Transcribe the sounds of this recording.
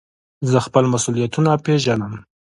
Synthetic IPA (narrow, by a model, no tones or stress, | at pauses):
zəxpəlmasulijat̪unapeʒanəm